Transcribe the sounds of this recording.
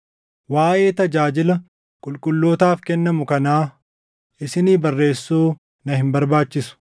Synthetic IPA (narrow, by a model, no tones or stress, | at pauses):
waːʔe̞ːt̪ɐd͡ʒaːd͡ʒɪlɐ | kʼʊlkʼʊlːoːt̪aːfkɛnːɐmʊkɐnaː | ʔɪsɪniːbɐrːe̞ːsːuː | nɐhɪmbɐɾbaːt͡ʃːɪsʊ̥